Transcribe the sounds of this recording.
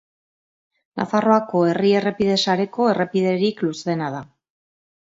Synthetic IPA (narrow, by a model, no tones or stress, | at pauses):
nʔa̰faro̞ako̞e̞rie̞re̞pið̞e̞saɾe̞ko̞e̞re̞piðe̞ɾiklusðe̞nað̞a